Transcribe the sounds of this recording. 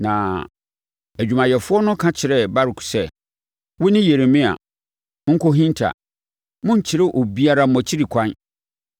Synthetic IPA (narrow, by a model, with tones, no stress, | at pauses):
nã˨ | æ˨d͡ʑᶣu˨mã˨jɛ˨fʊ˦ɔ˦nʊ̃˦kʰã˦t͡ɕʰɪ˨ɾɛ˦ba˦ɾɪ˨kʰsɛ˦ | wʊ˦nɪ̃˦je˨ɾe˨mɪ̃˦a̰˨ | mʊ̃˦ŋ̩˦kʰo˦ɦĩ˦n˦tʰa̰˨ | mʊ̃˦ɲ˨t͡ɕʰɪ˦ɾɪ˦ʔo˨bi˦a˦ɾa˦m̩˦mɔ̃˨t͡ɕʰi˦ɾi˨kʷʰã˦n